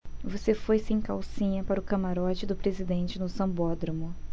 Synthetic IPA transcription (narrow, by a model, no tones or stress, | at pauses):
vosefojsẽj̃kawsĩɲɐpaɾʊkɐmaɾɔt͡ʃɪd̪ʊpɾezid̪ẽnt͡ʃɪnʊsɐ̃bɔd̪ɾɐ̃mʊ